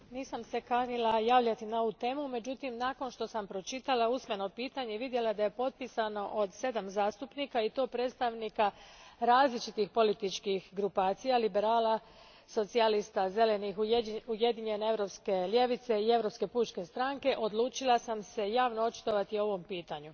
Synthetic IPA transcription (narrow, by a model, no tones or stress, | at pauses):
niːsamse̞kanilˠajaːʋʎat̪inao̞ʋut̪e̞ːmume̞d͡ʒut̪imnaːko̞nʃt̪o̞sampɾo̞t͡ʃit̪alausme̞no̞piːt̪aɲe̞ʋid̪je̞lad̪aje̞po̞t̪̚pisano̞ʔod̪se̞d̪amzaːst̪upniːkait̪o̞ːpɾe̞ːt̪st̪aʋnikaɾaːzlit͡ʃit̪ixpo̞lit̪it͡ʃkixɡɾupaːt̪sijalibe̞ɾaːla | so̞t̪sialist̪aze̞le̞nixuuje̞d̪iɲe̞ne̞evɾo̞pske̞lje̞ʋit̪se̞ie̞ʋɾo̞ːpske̞puːt͡ʃke̞st̪ɾaŋke̞ʔo̞d̪lˠuːt͡ʃilˠasamse̞jaːʋnoo̞t͡ʃi̥t̪o̞ʋat̪io̞ʋo̞mpiːt̪aɲu